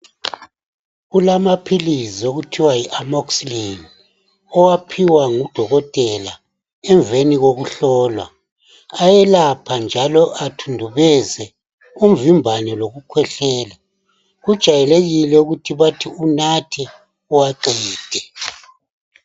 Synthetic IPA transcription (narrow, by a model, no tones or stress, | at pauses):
ɣulamapʰilizioɣutʰiwaiʔamɔkslin | ɔwapʰiwaŋud̥ʱɔɣɔtʼɛla̰ | ɛɱveniɣoɣuɬɔːlwa̰ | ajɛlapʰand͡ʒʱalɔʔatʰundʱuβɛzɛ | um̩vimbʱanɛloɣukʰwɛɬɛːla | ɣud̥ʒ̥ʱajɛleɣilɛuɣutʰiβatʰiunatʰɛ | uwaǃiːd̥ʱɛ